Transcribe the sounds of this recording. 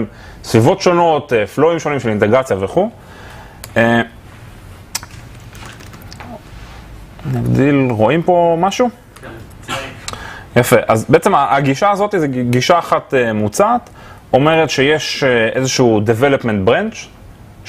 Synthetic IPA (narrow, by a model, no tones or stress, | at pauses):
m | svivo̞tʃo̞no̞t̪efloimʃonimʃelint̪eɡʁat͡sjaveχu | e | naɡd̪ilʁo̞impo̞maʃu | jafeʔazbeet͡semaʔaɡiʃaːzo̞t̪izeɡiʃaːχat̪emut͡saːt̪ | o̞me̞ʁetʃejeʃezeʃuːdeve̞lopment̪bʁent͡ʃ